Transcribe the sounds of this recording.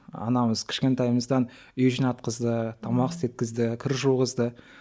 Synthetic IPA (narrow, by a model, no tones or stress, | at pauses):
ɑ̰nɑməz̥kʲʰɪ̥ʃkʲe̞nt̪ɑjməzd̪ɑn | ɵjʒɪnɑt̪qəzd̪ət̪ʰɑmɑʁəset̪̚kʲɪzd̪ɪkʲʰʏɾʒuʁəzd̪ə